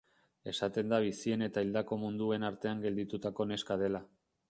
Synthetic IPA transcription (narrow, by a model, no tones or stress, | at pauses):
e̞sat̪e̞nd̪aβ̞isie̞ne̞t̪aild̪ako̞mund̪ue̞naɾt̪e̞aŋɡe̞ld̪it̪ut̪ako̞ne̞skaðe̞la